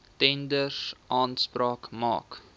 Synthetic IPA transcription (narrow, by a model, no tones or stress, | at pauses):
tɛndəsʔɑːnsprɑːkmɑ̰ːk